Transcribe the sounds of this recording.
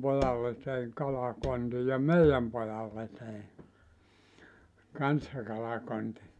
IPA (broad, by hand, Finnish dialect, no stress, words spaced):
pojɑlːe teiŋ kɑlɑkonti jɑ meijæm pojɑlːe tei kɑnsːɑ kɑlɑkonti